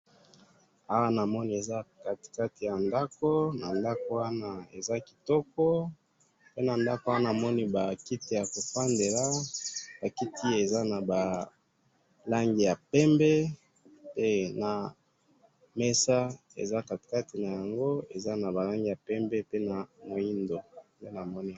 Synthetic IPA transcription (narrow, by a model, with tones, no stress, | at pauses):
a˦wa˦na˨mɔ˦ni˦e˨za˦ka˨ti̥˨ka˦ti˨ja˨nda˦ko˦na˨nda˦ko˦wa˦na˦ḛ˨za˦ki̥˨tɔ˦kɔ˦ | pe˦na˨nda˦ko˦wa˦na˦˨mɔ˦ni˦ba˨ki˦ti˦˨ja˨ko˨fa˦nde˨la˦b̥a˨ki˦tʰi˦e˨za˦na˨ba˨ | la˦ŋɡi˨ja˨pɛ˦mbe˦ | pe˦na˨ | me˦sa˦ | ḛ˨za˦ka˨ti̥˨ka˦ti˨na˨ja˨ŋɡo˦e˨za˦na˨ba˨la˦ŋɡi˨ja˨pɛ˦mbe˦pe˦na˨mo˨i˦ndo˨nde˦na˨mɔ˦ni˦